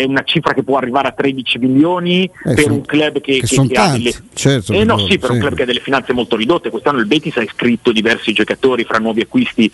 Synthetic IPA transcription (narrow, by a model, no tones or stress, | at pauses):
ɛunat͡ʃifɾakepːwɔarːivaːɾeat̪ːɾed̪it͡ʃimiljoːnipeɾuŋklɛbːkekekeaad̪elːt͡ʃɛɛnːɔsipeɾuklab̚kead̪elːefinanemolt̪oɾid̪ot̪ːekwest̪anːoilbeːt̪isaiskɾit̪ːod̪ivɛrsid͡ʒokat̪oːɾifɾʔanːwɔːviakːwist̪i